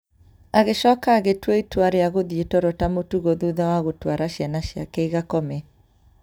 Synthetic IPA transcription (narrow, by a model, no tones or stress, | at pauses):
aɣeʃɔkaːɣetweitwaɾeaɣoðietɔɾɔtamotuɣoðuðɛwaɣotwaɾaʃjanaʃia̰keiɣakɔmɛ